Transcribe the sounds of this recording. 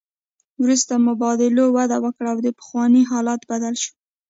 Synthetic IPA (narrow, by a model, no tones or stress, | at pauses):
wɾust̪amʊbɑd̪ɪlowad̪awəkɽaːwd̪əpə̥xwɑniɦɑlɑt̪bad̪alʃu̥